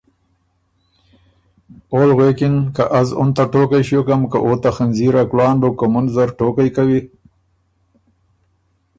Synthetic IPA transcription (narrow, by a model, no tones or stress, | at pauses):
olɣwekɪnkaʔazʊnt̪aʈoːkajɕokamka̰ʔot̪axanziɾaklɑːɳɖokʊmʊnzaɾʈoːkajkawi